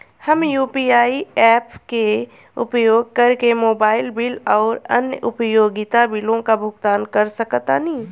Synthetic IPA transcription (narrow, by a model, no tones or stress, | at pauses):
hɐmjuːpiːaːiɛːpke | ʊ̰pjoːɡ̚kɐɾkemoːbaːɪlbɪlɔːɾɐ̰njəʔʊpjoːɡɪt̪abɪlõkabʱʊɡt̪aːnkɐɾsɐkt̪anĩ